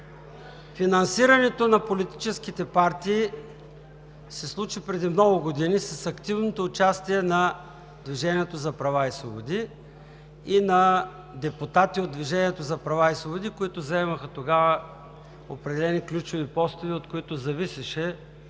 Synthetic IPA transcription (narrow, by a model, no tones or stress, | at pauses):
finɐnsiɾɐnɛt̪onɐpolit̪i̥t͡ʃɛskit̪ɛpaɾt̪iː | sɛslˠut͡ʃipɾɛd̪imnɔɡʊɡod̪inisɐsɐkt̪ivnot̪oːt͡ʃast̪iɛnɐ | d̪viʒɛniɛt̪ozɐpɾɐvaisvˠobod̪iː | nɐ | d̪ɛpʊt̪at̪iod̪̚d̪viʒɛnʲiɛt̪ozɐpɾɐvaisvˠobʊd̪ikoit̪ʊzɐɛmɐxət̪oɡavə | opɾɛd̪ɛlɛniklʲut͡ʃʊvipɔst̪ʊviot̪koit̪ʊzɐvisɛʃɛ